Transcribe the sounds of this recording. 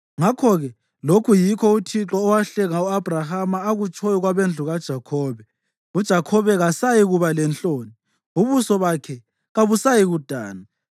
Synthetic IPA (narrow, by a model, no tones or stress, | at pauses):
ŋakʰɔɣɛ | lokʰujikʰɔutʰiǁɔːwaɬɛŋauab̥ʱrahamaːɣut͡ʃʼʰɔjɔɣwaβend͡ɮʱuɣad̥ʒ̥ʱakʰɔːβɛ | ud̥ʒ̥ʱakʰɔβɛɣasajiɣuβalɛnt͡ɬʼoːni | uβusɔβakʰɛ | ɣaβusajiɣud̥ʱa̰ːna